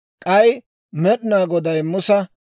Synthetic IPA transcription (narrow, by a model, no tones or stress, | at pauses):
kʼɐj | mɛɗɪnaːɡɔd̪ɐjmʊsɐ